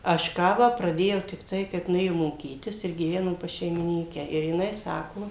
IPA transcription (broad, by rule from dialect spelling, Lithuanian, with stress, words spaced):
ɐʃ ˈkɑːʋɑː prɐˈdʲeːjɛʊ tʲɪkˈtɐɪ kɐɪp nʊˈeːjoːm moːˈkʲiːtʲɪs ɪr ɡʲiːˈʋʲæːnoːm pɐs ʃʲɛɪmʲɪˈnʲiːkʲæː ɪr jɪˈnɐɪ ˈsɑːkoː